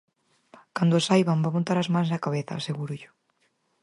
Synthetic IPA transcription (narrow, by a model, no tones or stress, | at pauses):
kand̪ʊsajβambamõnt̪aɾazmans̬akaβeθaːseɣuɾʊʎʊ̥